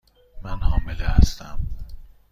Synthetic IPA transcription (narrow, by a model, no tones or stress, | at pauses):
mænhɒːmeleæ̰st̪æm